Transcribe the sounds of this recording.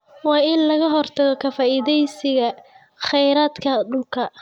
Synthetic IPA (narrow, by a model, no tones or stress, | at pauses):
wɑːɪnlɐɣɐɦɔrt̪ʰɐɣɔkʰɐfaːʔiːðɛjsɪɣɐ | χɛjɾaːd̪kʰɐɖʊlkʰɐ